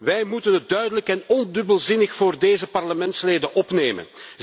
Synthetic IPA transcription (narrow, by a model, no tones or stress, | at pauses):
ʋɛjmutənɦət̚dœɥdələkɛnɔndɵbəlˠzɪnəxfoːrdeːzəpɑrləmɛntsleːdənʔɔpneːmə̰n